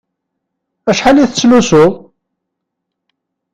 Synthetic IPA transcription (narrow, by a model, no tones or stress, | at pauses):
æʃħaliθə̥t͡sːlusʊ